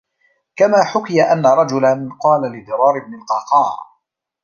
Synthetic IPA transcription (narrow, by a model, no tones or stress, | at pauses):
kamaːħʊkɪjaʔanːaɾˤɑd͡ʒʊlanqɑːlalɪd̪ɨɾˤɑːɾɪb̚nɪlqɑːqɑːɾ